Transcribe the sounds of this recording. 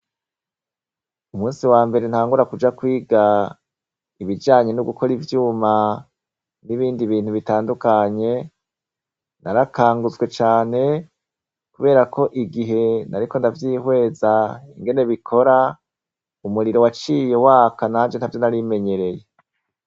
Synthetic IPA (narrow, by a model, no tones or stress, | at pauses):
umuːnsiwaːmbe̞ɾenhaːŋɡuɾakud͡ʒakwiːɡa | iβid͡ʒaːɲe̞nuɡukʰo̞ɾivjuːma | niβiːndiβiːn̥huβitaːndukaɲe̞ | naɾakaːŋɡuzɡwe̞t͡ʃaːne̞ | kuβe̞ːɾakʰo̞ʔiɡiɦe̞naɾiko̞ndavjiːhwe̞ːzaiŋɡe̞ne̞βikʰo̞ɾa | umuɾiɾo̞wat͡ʃiːje̞waːkanaːnd͡ʒenhavjo̞naɾime̞ɲe̞ɾe̞je̞